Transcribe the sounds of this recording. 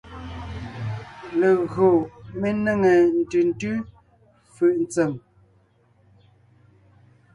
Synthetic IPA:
le˨ɣɰo˨me˦ne˦˨ŋe˨n̩˨tʉ˨n˦tʉ˦ | fʉ˨ʔnt͡se˨m

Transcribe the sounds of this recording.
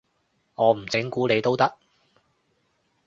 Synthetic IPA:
ŋɔː˨˧m̩˨˩t͡sɪ˨˥ŋkuː˨˥ne˨˧jt̪o˥wt̪ɐ˥k̚

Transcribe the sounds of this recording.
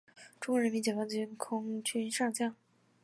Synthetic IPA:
ʈ͡ʂʊ˥ŋkwɔ˧˥ɻə˧˥nmi˧˥nt͡ɕjɛ˨˩ɑ˧˥˩ŋkʰʊ˥ŋt͡ɕʰy˥nʂɑ˥˧ŋt͡ɕjɑ˥˩ŋ

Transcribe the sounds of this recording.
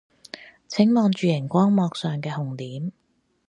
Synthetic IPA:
t͡sʰɪ˨˥ŋmɔː˨˧ŋt͡ʃyː˨jɪ˨˩ŋkʷɔː˥ŋmɔː˨˧k̚sœː˨˩ŋkɛː˧hʊ˨ŋt̪iː˨˥m

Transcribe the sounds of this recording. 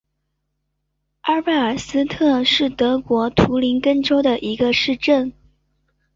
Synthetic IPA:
a˥pe˥˩ɪə˞˨˩sɹ̩˥t̪ʰɤ˥˧ʂɻ̩˥˩t̪ɤ˧˥kwɔ˧˥t̪ʰu˧˥li˧˥nkə˥nʈ͡ʂo˥ʊd̪ə˨ʔi˧˥ɡə˧ʂɻ̩˥˧ʈ͡ʂə˥˩n

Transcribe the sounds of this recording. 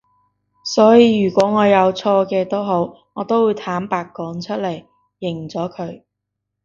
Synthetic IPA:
sɔː˨˥jiː˧ɥyː˨˩kʷɔː˨˥ŋɔː˨˧jɐ˨˧wt͡sʰɔː˧kɛː˧t̪o˥wɦo˨˥w | ŋɔː˨˧t̪o˥wuː˨˧jt̪ʰaː˨˥mpaː˨˧kːɔː˨˥nt͡ʃʰɵ˥t̚lɐ˨˩jː | ɪ˨˩ŋ˨˩t͡sɔː˨˥kʰɵ˨˧ɥ

